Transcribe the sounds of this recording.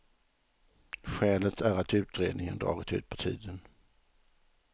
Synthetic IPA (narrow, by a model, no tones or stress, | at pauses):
ɧɛːlət̪ʰæɾat̪ʉ̟ːt̪ɾeːd̪nɪŋənd̪ɾɑ̰ːɡɪt̪ʉ̟ːt̪̚pʰɔ̥t̪ʰḭːd̪ən